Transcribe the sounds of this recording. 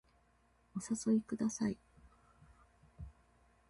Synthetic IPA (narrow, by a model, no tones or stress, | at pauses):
o̞saso̞ikɯ̟d̪asai